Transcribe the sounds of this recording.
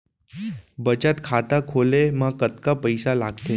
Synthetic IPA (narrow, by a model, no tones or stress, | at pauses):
bət͡ɕat̪kʰat̪akʰolemakət̪kapəjsalaɡt̪e